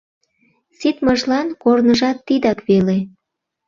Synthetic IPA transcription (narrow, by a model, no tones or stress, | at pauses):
sit̪məʒlɑnkornəʒɑt̪ːid̪ɑkβele